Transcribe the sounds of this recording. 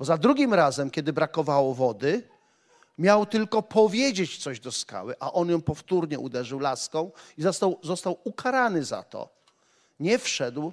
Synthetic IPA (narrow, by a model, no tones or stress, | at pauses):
b̥ɔzad̪ɾuɡʲimɾazɛmkʲɛd̪ɘbɾakɔvawɔvɔd̪ɘ | mʲjawt̪ɘlkɔpʰɔvʲjed͡ʑet͡ɕt̪sɔʑd̪ɔska̰wɘʔaʔɔnjɔ̃w̃pɔft̪uɾɲɛʔud̪ɛʐɘwlaskɔ̃w̃izɔst̪awzɔst̪awukaɾanɘza̰t̪ɔ̰ | ɲɛfʂɛd̪w